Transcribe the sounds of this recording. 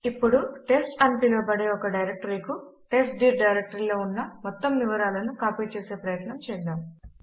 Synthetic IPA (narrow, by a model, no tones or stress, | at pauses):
ipːuɽuʈe̞sʈɐmpilo̞ːpɐɽe̞ːɔkɐɖɐjɾek̚ʈɐɾikuʈe̞ːsʈɖiːɾɖɐjɾek̚ʈɐɾilo̞ːunːɐmɔt̪ːɐmʋiʋɐɾaːlɐnukaːpiːt͡ʃeːse̞ːpɾɐjɐt̪nɐmt͡ʃɛːd̪aːm